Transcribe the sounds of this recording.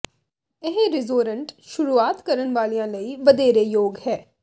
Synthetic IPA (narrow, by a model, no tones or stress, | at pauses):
ɪɦeɾɪzoːɾəɳʈʃʊɾuːaːt̪kəɾənʋaːlijãːləiːʋəd̪eːɾeːjoːɡhɛː